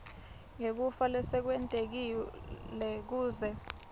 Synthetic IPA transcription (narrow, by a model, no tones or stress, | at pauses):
ŋek̬ufalɛsɛk̬wɛntʼek̬ilɛk̬uːzɛ